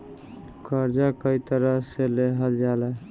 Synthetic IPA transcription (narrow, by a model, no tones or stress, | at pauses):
kəɾd͡ʒakəit̪əɾəseleɦəld͡ʒala